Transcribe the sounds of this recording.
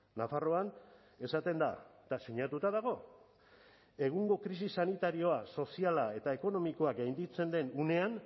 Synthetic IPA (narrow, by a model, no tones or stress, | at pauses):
nafaro̞an | e̞sat̪e̞nd̪a̰t̪asiɲat̪ut̪aðaɣ̞o̞ | e̞ɣ̞uŋɡo̞kɾisisanit̪aɾio̞aso̞sialae̞t̪aeko̞no̞miko̞akɡajnd̪it͡se̞nd̪e̞nune̞an